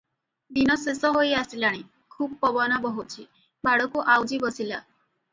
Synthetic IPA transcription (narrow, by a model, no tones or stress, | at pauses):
d̪inɔsesɔɦojasilaɽ̃i | kʰubɔpɔbɔnabɔɦut͡ʃʰi | baɽɔkuʔawd͡ʒibɔsila̰